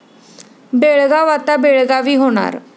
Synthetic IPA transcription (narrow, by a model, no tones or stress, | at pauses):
beːɭɡaʋaːt̪abeːɭɡaʋiːɦoːna̰ːɾ